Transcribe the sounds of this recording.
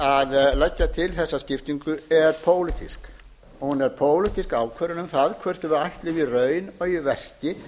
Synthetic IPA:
aðlɛcːat̪ʰɪlθɛsːascɪft̪iŋkʏɛɾpʰoːwlɪt̪ʰisk | ɔhunɛɾ̥pʰoːwlɪt̪iskaːwkʰvœːɾʏnʏmθaðkʰvœr̥t̪ʏvʏajht̪lɪvirœːɥnœjvɛr̥cɪ

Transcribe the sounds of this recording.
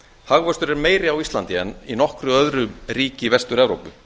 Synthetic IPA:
haɣvœst̪ʏɾɛɾmeːjɾɪawist̪lant̪ɪɛ̰ninɔhkɾʏœðɾʏmriːcɪvɛst̪ʏɾɛvɾo̰wpʏ

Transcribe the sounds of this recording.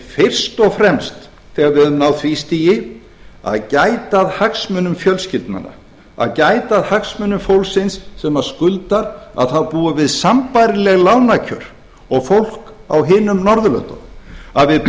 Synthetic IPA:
fɪr̥st̪ɔɣfɾɛmst̪ | θɛːɣaɾvɪɛðʏmnawθʰvist̪ijɪ | a̰ðcajt̪aðhaksmʏnʏmfjœlscɪlt̪na̰nːa̰ | a̰ðcaːjt̪aðhaksmʏnʏmfowlsɪnsːɛmḁskʏlt̪aɾa̰ðθawpuːavɪðsampajɾɪlɛɣlaːwnacʰœɾ̥ | ɔɣfowl̥kawɦɪːnʏmnɔɾðʏlœ̰nt̪ɔ̰maðvɪð

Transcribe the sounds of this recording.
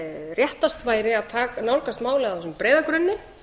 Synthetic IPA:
rjɛht̪ast̪vaːjɾɪaðt̪ʰaːkanawɾkast̪maːwlɛɣawθɛsʏmpɾeːjðakɾʏnːɪ

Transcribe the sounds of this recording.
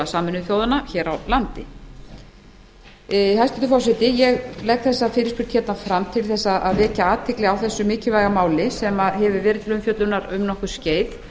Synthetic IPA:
asaːmɪnʏθjoːwðanaçɛːɾawlant̪ɪ | hajst̪ɪt̪ʏfɔwsɛt̪ɪjɛɣlɛk̪θɛsːafɪːɾɪspʏɾ̥t̪çɛt̪nafɾamt̪ʰɪlθɛsːaʔa̰ðvɛːcaaːt̪ʰɪklɪawθɛsːʏmɪːcɪvajɣamaːwlɪsɛmaɦɛvʏvɛːɾɪt̪ʰɪlʏmfjœt̪lʏnaɾʏmnɔhkʏ̥sceːjt̪

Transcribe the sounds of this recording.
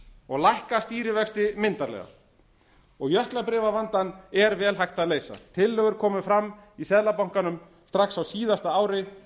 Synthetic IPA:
ɔɣlajhkast̪iːɾɪvɛkst̪ɪmɪnt̪aɾlɛ̰ɣa̰ | ɔɣjœhklapɾɪːvavant̪anɛɾvɛːlɦajht̪aðleːjsa̰t̪ʰɪlːœːɣʏɾkʰɔːmʏfɾamːisɛðlapawŋ̥kanʏm | st̪ɾaksawsiːðast̪aaːwɾɪ

